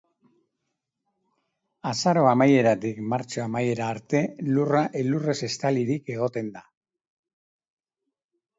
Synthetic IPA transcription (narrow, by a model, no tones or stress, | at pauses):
asaɾo̞amaje̞ɾat̪ikmaɾt͡ʃo̞amaje̞ɾaːɾt̪e̞luraʔelure̞se̞st̪aliɾike̞ɣ̞o̞t̪e̞nd̪a